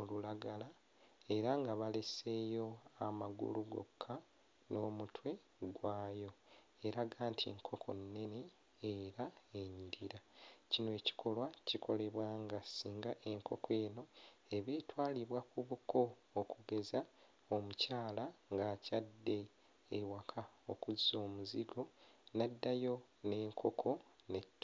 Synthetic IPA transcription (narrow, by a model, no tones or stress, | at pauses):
olulaɡala | e̞ɾaŋɡaβale̞se̞jo̞amaɡṵluɡo̞̰kʰːa | no̞ːmutʰwe̞ | ɡwaːjo̞ | eɾaɡaːntʰḭŋkʰo̞kʰo̞̰nːe̞ne̞ː | ɾae̞ɲidiɾacinoe̞ːci̥kʰo̞lwacikʰo̞le̞βwaːŋɡasiːŋɡaʔe̞ŋko̞kʰwe̞ːno̞e̞βe̞ːtwaːliβwakuβukʰo̞ː | kuɡe̞za | omucaːlaŋɡaːcadːe̞ː | wakʰaokuzːo̞ːmuziɡo̞nadːajo̞ne̞ːŋkʰo̞kʰo̞ne̞tː